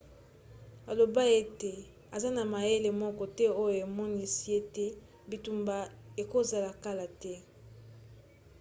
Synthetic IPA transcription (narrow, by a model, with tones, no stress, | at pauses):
a˨lo˨ba˦e˦te˨ | a˨za˦na˨ma˨je˦le˨mɔ˦kɔ˦tɛ˦o˦jo˨e˨mɔ˦ni˦si˦e˦tɛ˦ | bi˨tu˨mba˨e˨ko˦za˨la˨ka˦la˨tɛ˦